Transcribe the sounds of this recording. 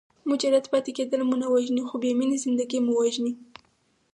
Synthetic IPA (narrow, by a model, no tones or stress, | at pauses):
mud͡ʒaɾat̪pɑt̪eked̪əlmunawaʒnixobeminezɪnd̪aɡimuwaʒni